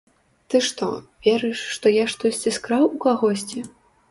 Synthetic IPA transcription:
t̪ɨʂt̪ɔ̰vʲɛɾɨjʂːt̪ɔjaʂt̪ɔsʲt͡sʲiskɾawukaɣɔsʲt͡sʲi

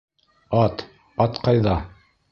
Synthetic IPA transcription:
ɑt̪ | ɑt̪qɑjðɑ

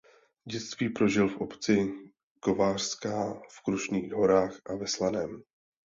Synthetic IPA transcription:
ɟɛt͡st̪viːpɾo̞ʒɪlfʔopt͡sɪ | ko̞vaːr̥skaːfkɾuʃniːɣɦo̞ɾaːxʔavɛslanɛm

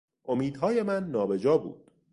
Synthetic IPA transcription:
ʔomiːd̪hɒːje̞mænːɒːbe̞d͡ʒɒːbṵːd̪̥

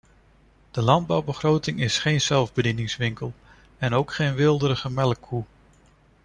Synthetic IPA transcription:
d̥əlɑnd̚bɑwbəχrowtɪŋɪsχejnz̥ɛlˠvbədinɪŋsʋɪŋkəlˠ | ɛnowkχejnʋɪlˠdəɾəχəmɛləkʰu

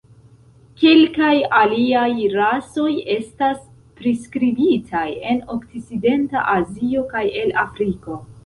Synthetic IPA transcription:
kelkajaliajɾaso̞je̞stas | pɾiskɾibitʰaje̞no̞kt͡sit͡side̞nta̰ʔazio̞kaje̞lafɾiko̞

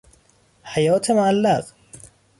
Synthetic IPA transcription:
ħajaːt̪ʰamaʕalːaq

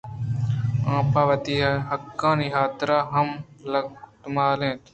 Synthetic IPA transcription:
ãːpaːʋɐt̪iːɦɦɐkːãːniɦaːt̪ɾaːɦɐmlɐkt̪ʊmaːlẽːt̪

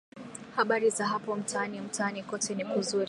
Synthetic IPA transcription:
haɓaɾizaɦapɔm̩tʰaːnim̩taːnikɔtʰɛnikuzuɾ

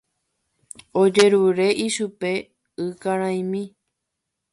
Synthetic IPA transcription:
od͡ʒeɾuɾe̞ʔiʃupe | ɨkaɾãj̃mĩ

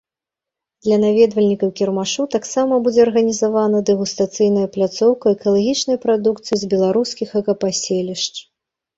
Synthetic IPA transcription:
d̪̥lʲɐnavʲɛd̪vɐlʲnʲikɐwkʲɛrmaʂut̪aksamɐbud͡zʲɛɐrɣɐnʲizavanɐd̪ɛɣust̪at̪sɨjnɐjɐplʲat̪sɔwkɐɛkɐlˠaɣʲit͡ʂnɐjpɾad̪ukt̪sɨjizʲbʲɛlˠaɾuskʲixɐkɐpasʲelʲiʂt͡ʂ

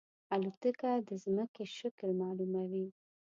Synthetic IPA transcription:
alut̪əkad̪əzməkeʃɪklmɑlumawi

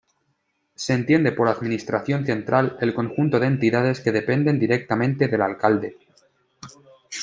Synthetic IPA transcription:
se̞ːnt̪je̞nd̪e̞po̞ɾaðmĩnist̪ɾaθjo̞nθe̞nt̪ɾʔale̞lko̞ŋxunt̪o̞ðeːnt̪iðað̞e̞ske̞ðe̞pe̞nd̪e̞nd̪iɾe̞k̚t̪amẽ̞nt̪e̞ðe̞lalkald̪e̞

